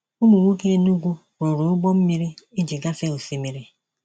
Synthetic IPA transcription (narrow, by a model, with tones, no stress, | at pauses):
u˦mu˨ŋʷo˦ke˦nu˦ɡʷu˦ | ɾo˨ɾo˨˦ʊ˦ɡ͡bɔ˦m̩˦mi˦ɾi˦e˦d͡ʒi˨ɡa˦fe˦o˨fi˨mi˨ɾi˦